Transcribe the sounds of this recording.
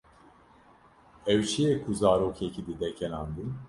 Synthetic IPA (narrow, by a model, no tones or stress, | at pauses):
ɛwt͡ʃijɛkʰuzaːɾokʰecʰid̪id̪ɛcʲʰɛnand̪ɯm